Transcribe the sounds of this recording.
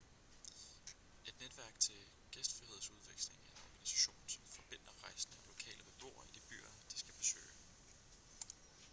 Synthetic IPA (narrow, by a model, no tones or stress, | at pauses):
e̝d̥ned̥ʋæɐ̰ɡ̥̚t͡sʰe̝l | ɡ̥esd̥fʁihe̝ð̞̰ˠsuð̞ˠʋeɡ̥sle̝ŋænɒɡ̥ænisæ̥ɕo̝̰ːnsɒ̽mfɒ̽b̥e̝n̰d̥ɐʁɑ̈ɪsn̩ælo̝kʰɛ̰ːlʔəbeb̥o̝̰ːɐid̥ib̥y̰ːɐd̥isɡ̥æb̥e̝sø̰ːɪ̰